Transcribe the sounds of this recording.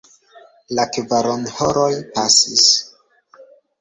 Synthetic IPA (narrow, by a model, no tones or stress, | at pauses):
lakvaɾonhoɾojpasḭs